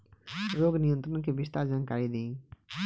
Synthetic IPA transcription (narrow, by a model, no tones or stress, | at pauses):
ɾoɡnijɔnt̪ɾɔnkebiʃt̪aɾd͡ʑankaɾid̪ĩ